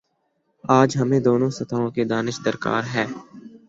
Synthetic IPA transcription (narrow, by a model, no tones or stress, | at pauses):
aːd͡ʒɦəmẽd̪oːnõsɐt̪ʰaːõked̪aːnɪʃd̪əɾka̰ːɾɦɛː